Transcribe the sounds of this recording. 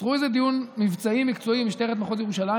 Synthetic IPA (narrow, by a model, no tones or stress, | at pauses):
ʁuezed̪ijunmivt͡saimikt͡so̞imiʃt̪eʁet̪maχotjeʁuʃala